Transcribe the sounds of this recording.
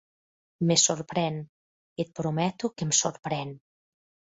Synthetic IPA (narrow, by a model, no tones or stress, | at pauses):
mesoɾpɾɛn | et̪̚pɾomɛt̪ukemsoɾpɾɛn